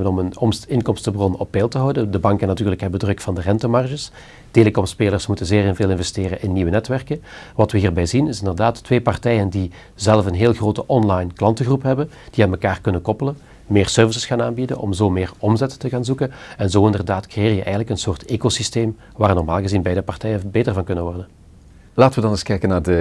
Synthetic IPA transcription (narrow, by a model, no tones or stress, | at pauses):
ənɔmənɔmɪnkɔmstəbrɔnɔpːɛːlˠtəɦɑwdədəbɑŋkənatyːrləkɦɛbəndrɵkfɑndərɛntəmɑrʒəs | teːləkɔmspeːlərsmutənzeːrɪnveːlɪnvɛsteːrənʔɪnːiʋənɛtʋɛrkən | ʋɑtʋəɦiːrbɛjzinɪsɪndərdaːtːʋeːpɑrtɛjəndi | zɛlˠfənɦeːlˠɣroːtəʔɔnlɑjnklɑntəɣrupɦɛbən | d̥iɛtməkaːrkɵnənkɔpələn | meːrsørvis̬əsxaːnaːnbidə̰nɔ̰mzoːmeːrɔmzɛttəɣaːnzukənɛnzoːɪndərdaːtkrejɪːrjəʔɛjɣənləkənsoːrtʰeːkosisteːm | ʋaːrnɔrma̰ːlˠɣəzinbɛjdəpɑrtɛjənbeːtərvɑnkɵnənʋɔrdən | laːtəʋədɑnɪskɛjkənaːrdə